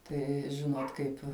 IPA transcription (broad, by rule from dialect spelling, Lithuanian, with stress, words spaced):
ˈtɐɪ ˈʒʲɪnoːt ˈkɐɪp